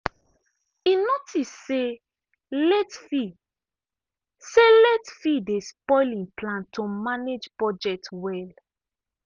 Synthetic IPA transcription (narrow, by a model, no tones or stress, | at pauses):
inotʰisse | lɛtfi | selɛtfidespɔɪlĩnplãntʰomaned͡ʒpɹɔd͡ʒɛk̚twɛl